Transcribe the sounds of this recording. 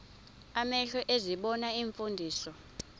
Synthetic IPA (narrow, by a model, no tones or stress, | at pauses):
amɛɬɔʔeziɓɔnaiɱfundʱiːsɔ